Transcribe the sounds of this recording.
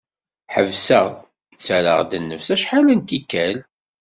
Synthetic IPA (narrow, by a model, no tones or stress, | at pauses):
ħəvsæ | t͡sæɾə̰ʁd̪ənːəfsæʃħalənt̪ikːæl